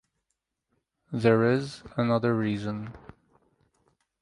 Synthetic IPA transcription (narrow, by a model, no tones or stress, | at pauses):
ðəɹɪzənʌðə˞ɹiːzə̃n